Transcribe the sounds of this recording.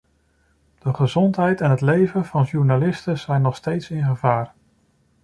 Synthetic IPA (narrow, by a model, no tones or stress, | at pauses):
d̥əχəzɔntɦɛjtɛnɦətlejvənvɑnʒuɹnalɪstəz̥ɛjnːɔχstejtsɪnχəvaːr